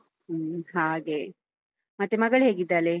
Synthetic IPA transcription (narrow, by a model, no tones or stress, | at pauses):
ɦaːɡe | mɐt̪ːemɐɡɐɭɦeːɡid̪ːaːle